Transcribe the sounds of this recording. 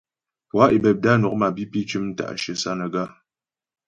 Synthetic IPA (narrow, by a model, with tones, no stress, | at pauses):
pwa˦ʔi˨bɛ˨p̚da˦nu˨k̚ma˨bi˦pi˦t͡ʃʉ˦mn̩˦ta̰˨ʔʃə˨sa˦nə˨ɡa˦